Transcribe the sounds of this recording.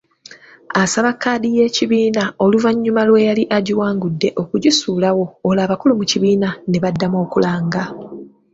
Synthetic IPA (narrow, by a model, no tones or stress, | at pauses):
asaβakːaːdije̞ːciβiːnao̞luvaɲːumalwe̞jaliʔaɟiwaːŋɡudːe̞ʔo̞kuɟisuːlawo̞ːlaːβakulumuciβiːnane̞βadːamo̞ːkulaːŋɡa